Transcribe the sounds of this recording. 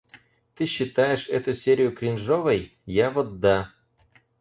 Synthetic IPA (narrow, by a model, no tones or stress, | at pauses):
t̪ɨɕːɪt̪ajɪʂɛt̪ʊsʲeɾʲɪjʊkɾʲɪnʐovəj | javɔd̪ːa